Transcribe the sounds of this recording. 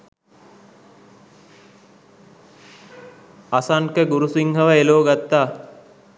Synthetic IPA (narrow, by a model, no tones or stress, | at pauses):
asaŋkəɡuɾusiŋɦəʋəeloːɡat̪ːaː